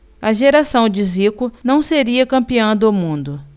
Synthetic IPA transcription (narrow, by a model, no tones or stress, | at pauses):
ɐʒeɾasɐ̃w̃d͡ʒɪzikʊnɐ̃w̃seɾiɐkɐ̃mpiɐ̃d̪ʊʊmũnd̪ʊ